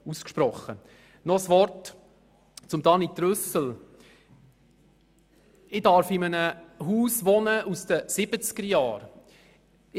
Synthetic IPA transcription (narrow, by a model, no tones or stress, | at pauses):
uskʃpɾɔχːə | nɔsʋɔɾt | t͡sʊmd̥̪ɑnit̪ɾɵsəl̩ | ɪdɑɾfɪmənəɦuːsʋɔnəʔusd̥əsɪbət͡sɡ̥əɾjɑːɾ